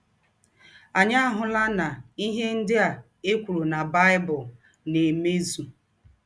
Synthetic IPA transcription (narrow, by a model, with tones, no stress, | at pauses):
a˨ɲa˦a˦ɦʊ˨la˦na˨i˦ɦe˦n̩˦dɪ˦a˨ | e˦kʷu˨ɾu˨na˨ba˦ɪ˦bʊ˨l | ne˨me˦zu˨